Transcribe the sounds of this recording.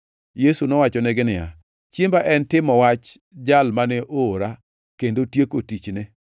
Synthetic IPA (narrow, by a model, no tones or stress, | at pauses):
jesunɔwat͡ʃɔnɛɡɪnɪja̰ | t͡ʃembaʔɛntɪmɔwat͡ʃ | d͡ʒalmanɛʔoːɾa | kendotjekotit͡ʃne